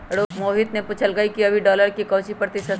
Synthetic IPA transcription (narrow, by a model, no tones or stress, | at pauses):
ɽoːkmoːɦɪt̪nepuːt͡ʃʰəlɡəikiɐbʱiɖɔːləɾkikɐːt͡ʃipɾət̪isə